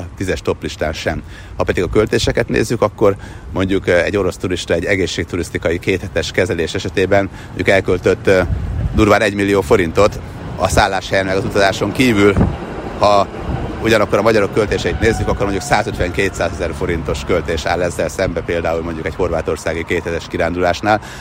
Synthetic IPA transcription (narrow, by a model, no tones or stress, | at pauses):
t̪izɛʃt̪o̞pliʃt̪aːnʃɛm | hɒpɛd̪iɡɒkø̞lt̪eːʃɛkɛt̪nḛːzːykɒkːo̞rmo̞ɲɟukɛ̰ɟːo̞ɾo̞st̪uɾiʃt̪ɒɛɟːɛɡeːʃːeːk̚t̪uɾist̪ikɒjikeːt̪hɛt̪ɛʃkɛzɛleːʃɛʃɛt̪eːbɛn | moɲɟukɛlkølt̪øt̪ːd̪uːrvaːnɛɟmilːijoːfo̞ɾint̪o̞t̪ | ɒsaːlːaːʃhɛjɛnmɛɡɒzut̪ɒzaːʃo̞ŋkiːvyl | hɒ | uɟɒnɒkːoɾɒmɒɟɒɾo̞kːølt̪eːʃɛit̪neːzːykɒkːormoɲɟuksaːzøt̪ʋɛŋkeːt̪saːzɛzɛrfo̞ɾint̪o̞ʃkølt̪eːʃa̰ːlːɛzːɛlsɛmbɛpeːld̪aːulmo̞ɲɟukɛcho̞rʋaːt̪o̞rsaːɡikeːt̪hɛt̪ɛʃkiɾaːnd̪ulaːʃnaːl